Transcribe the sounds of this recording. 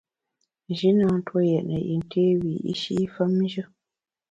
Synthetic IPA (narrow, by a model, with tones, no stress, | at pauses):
n˨ʒi˨˦nã˨n̩˦two˦jɛ˨ʔnə˨ʔḭ˨ŋ˨kʰeː˦wi˨ḭ˦ʃi˦fə˦mn˦ʒə˦